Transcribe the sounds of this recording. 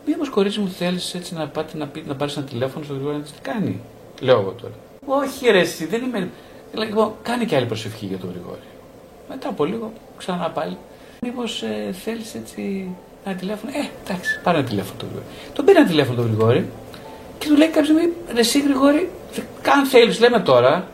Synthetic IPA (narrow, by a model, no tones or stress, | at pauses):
miposko̞ɾit͡simuθe̞lise̞t͡sinɐpɐt̪nɐpinɐpɐɾisenɐt̪ile̞fo̞nost̪oɣɾiɣoɾɐt̪ist̪i̥kɐnḭ | le̞oɣo̰t̪o̞̰ɾɐ | o̞çiɾesiðe̞nimei | ilɐlipo̞nkɐniceɐlipɾo̞se̞fçḭʝɐt̪oɣɾḭɣo̞̰ɾi | me̞t̪ɐpo̞liɣo̞ | ksɐnɐpɐli | nipo̞seθe̞lise̞t͡si | nɐt̪ile̞fo̞noed̪̥ɐksi̥pɐɾinɐt̪ile̞fonot̪oɣɾḭɣo̰ɾit̪obeɾienɐt̪ile̞fonot̪oɣɾiɣo̞ɾi | ce̞t̪ule̞ikɐpizimiɾe̞siɣɾiɣo̞ɾi | θekɐnθelisle̞me̞t̪o̞ɾɐ